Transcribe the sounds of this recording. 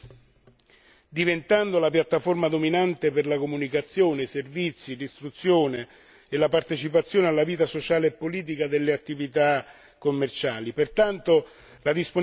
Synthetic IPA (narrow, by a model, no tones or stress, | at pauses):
d̪ivent̪and̪olapjat̪ːaformad̪ominant̪eperlakomunikat̪sːjoːneservit̪sːilist̪ɾut̪sːjoːne | elapart̪et͡ʃipat̪sːjoːnealːaviːt̪asot͡ʃaːleːpːoliːt̪̬ikad̪elːeat̪ːivit̪a | kːomːert͡ʃaːlipert̪ant̪o | lad̪ispo